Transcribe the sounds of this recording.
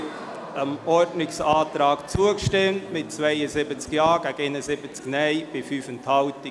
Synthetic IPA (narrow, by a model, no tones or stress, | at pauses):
əmɔɹdnɪksɑːtɾɑːkt͡suəkʃtɪmtmɪt̚t͡svaɪəzɪbət͡skjɑːɡ̥æɡenəzɪbət͡sknɛɪb̥ɪfyːfənthɑʊtɪ